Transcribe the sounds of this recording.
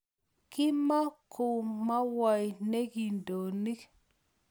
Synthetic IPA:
ki˦ma˦ko˨ma˦wa˨jne˦ɡi˨ndo˨ni˦k

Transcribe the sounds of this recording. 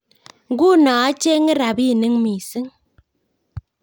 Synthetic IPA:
ŋ˦ɡu˦nɔː˨a˦t͡ʃe˦ŋi˦ɾa˨bi˦˨nɨ˦ŋmi˨sɨ˦ŋ

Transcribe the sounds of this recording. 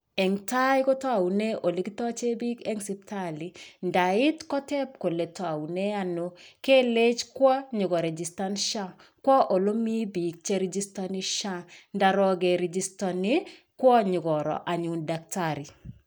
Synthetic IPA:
ɛ˨ŋta˦jko˦tɔ˦a˨u˨ne˦ʔo˨li˦ki˦tɔ˦t͡ʃe˦bi˦kɛ˦ŋsi˦ptali˨nda˨ɪ˦tkɔ˦tɛ˦p̚ko˨le˨tɔ˦a˨u˨ne˦a˨no˦ke˦le˦t͡ʃkwɔ˦ɲʊ˨ɡɔ˨ɾe˨d͡ʒi˨sta˦nʃa˦ | kwɔ˦ʔo˨lo˦mi˦bi˨k̚t͡ʃe˦ɾe˦d͡ʒi˦sta˦ni˦ʃa˦nda˨ɾɔ˦ɡe˨ɾe˨d͡ʒista˨ne˦ | kwɔ˦ɲʊ˨ɡɔ˨ɾɔ̰˨ʔa˨ɲu˨nda˨k̚taɾi˨

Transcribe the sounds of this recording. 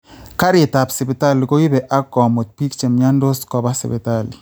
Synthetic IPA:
ka˦ɾi˨ta˨psi˨be˨ta˦˨lko˦ji˦bɛ˨ʔa˦kɔ˨mo˨t̪̚pi˦kt͡ʃe˨mɲa˦ndo˦skɔ˨βa˦sɪ̰˨bḛ˨ta˦˨li˨

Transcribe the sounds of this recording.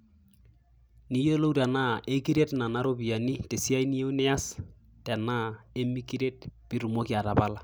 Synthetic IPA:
ni˦jo˦lo˦wta˨na˦ʔe˦ki˦ɾe˦tna˨na˦ɾo˦bi˨a˨ni˦te˨si˦a˦ini˦e˦u˦nɛ˦a˦s | tɛ˨na˦e˦mi˦ki˦ɾe˦tpi˦ɾu˨mo˦ki˦a˨ta˨ba˦la˦

